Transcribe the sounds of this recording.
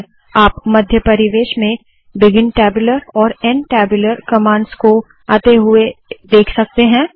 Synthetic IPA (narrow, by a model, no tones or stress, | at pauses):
aːpmɐd̪ʱjəpɐɾɪʋeːʃmẽ | bɪɡɪnʈɛːbjʊləɾɔːɾɛnʈɛːbjʊləɾkɐmãːɳɖsko | aːt̪eɦʊed̪eːkʰsɐk̚t̪eɦɛ̃ː